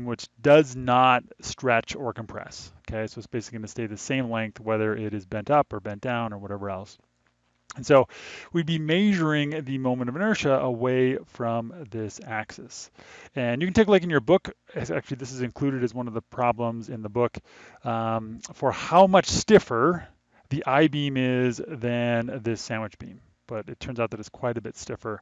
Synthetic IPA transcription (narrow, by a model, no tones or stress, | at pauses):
nwɨt͡ʃd̥ʌznət̚stɹ̥ɛt͡ʃə˞kə̃m̩pʰɹ̥ɛ̰sokʰeɪsoʊətsb̥eɪsɪkliɡʌ̃nɨsteɪðɨsẽɪ̃mlɛ̃ŋk̚θwɛðə˞ʔɪɾɨzbɛ̃ntʌpə˞bɛ̃n̚d̥ãʊ̃nə˞wʌɾɛvə˞ɛlˠs | nsoʊwibimeɪʒə˞ɪ̃ŋðɨmõʊ̃mɨ̃ɾ̃ʌvnɜ˞ʃɨəweɪfɹʌ̃mðɪsæksɛsɨ̃njɨkɨn̩tʰeɪklaɪkɨ̃n̩jə˞bʊkzæ̰k̚t͡ʃʉl̩ˠiðɪsɨzɨ̃nkʰl̥ʉɾɨɾɨzwʌ̃nʌvðəpʰɹ̥ɑblə̃mzɨ̃nðəbʊk | fə˞haʊmʌt͡ʃstɪfə˞ | ðiʔaɪbĩmɪzðɨ̃nðɪsæ̃nwɨt͡ʃb̥ḭ̃m | b̥ʌɾɨtʰɜ̃˞nzaʊt̪̚ðɨɾɨtskʰw̥aɪɾɨbɪtstɪfə˞